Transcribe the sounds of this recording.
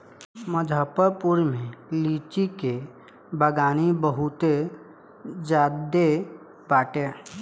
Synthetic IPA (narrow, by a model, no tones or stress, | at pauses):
məd͡ʒʱaːpəɾpʊɾmẽliːt͡ʃike | bəɡaːnibəɦʊt̪e | d͡ʒaːd̪e | baːʈe